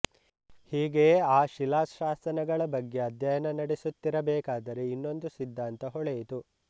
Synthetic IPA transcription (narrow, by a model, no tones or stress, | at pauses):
hiːɡe̞ːaːʃilaːsʃaːsɐnɐɡɐɭɐbɐɡːe̞ɐd̪jɐjɐnɐnɐɽesut̪ːiɾɐbɛːkaːd̪ɐɾe̞inːo̞nd̪usid̪ʱːaːnt̪ɐɦɔɭejit̪u